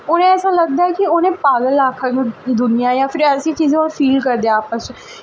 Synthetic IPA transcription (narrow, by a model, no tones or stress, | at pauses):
oːnẽːɛːsãːləɡ̚d̪aːɛkɪoːnẽːpaːɡəlaːkʰəkd̪ʊnijãːjãːpʰɪɾəsĩt͡ʃiːzẽaːlfʰiːlkəɾd̪eaaːpəs